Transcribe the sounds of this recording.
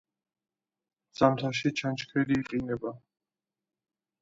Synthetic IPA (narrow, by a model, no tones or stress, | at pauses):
z̥amt̪ʰaʃ̬it͡ʃʰant͡ʃkʰɛliːqʼinɛba